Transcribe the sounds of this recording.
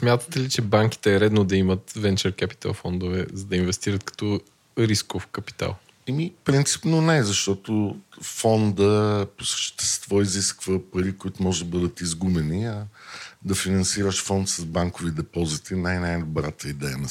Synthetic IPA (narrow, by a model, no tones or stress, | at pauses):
smʲjat̪ə̥t̪ɛlit͡ʃɛbaŋkʲi̥t̪ɛːɾɛd̪nod̪ɐimət̪vɛnt͡ʃɛɾkɛpi̥t̪a̰lˠfɔnd̪ʊvɛzɐd̪ɐinvɛst̪iɾət̪kɐ̥t̪ɔ | ɾiskofkɐpi̥t̪a̰lˠ | ɛmifpɾint̪si̥pnonɛzɐʃt̪ɔt̪ofɔnd̪əposə̥ʃʃt̪ɛst̪vɔiziskvəpɐɾikʊit̪ʊmɔʒɛd̪ɐbɤd̪ət̪izɡumɛniɐd̪ɐfinɐnsiɾəʃfɔnt̪sɐzbaŋkovid̪ɛpɔzit̪inajnajd̪obɾat̪əid̪ɛjənɐ